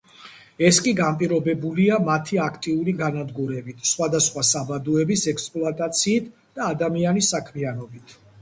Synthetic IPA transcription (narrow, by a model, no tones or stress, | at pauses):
ɛskʼiɡampʼiɾɔbɛbuliamat̪ʰiakʰt̪ʼiuɾiɡanad̪ɡuɾɛbit̪ʰsχwad̪asχwasabad̪uɛbisɛkspʼlˠuat̪ʼat̪sʰiːt̪ʰ | d̪̥aːd̪amianisakʰmianɔbit̪ʰ